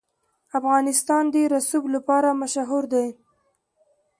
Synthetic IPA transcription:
afɣɑnɪst̪ɑnd̪əɾasublapɑɾamaʃaɦuɾd̪aj

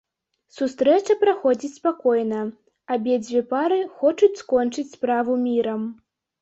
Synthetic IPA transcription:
sust̪ɾɛt͡ʂɐpɾaxɔd͡zʲit͡sʲspakɔjnɐ | abʲɛd͡zʲvʲɛpaɾɨxɔt͡ʂut͡sʲskɔnt͡ʂɨt͡sʲspɾavumʲiɾɐm

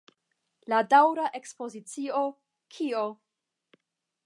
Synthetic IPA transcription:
ladawɾaʔe̞kspo̞zit͡sio | kʰio

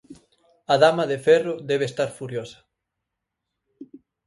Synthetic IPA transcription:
ɐðamɐðefɛroðɛβest̪aɾfuɾjosɐ̥

